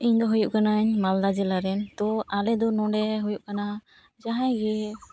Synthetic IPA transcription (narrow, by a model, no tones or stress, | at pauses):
iɲd̪ɔɦujuʔkanaɲmald̪ad͡ʒɛlaɾɛnt̪ɔalɛd̪ɔnɔɖɛɦujuʔ̚kana | d͡ʒaɦãjɡɛ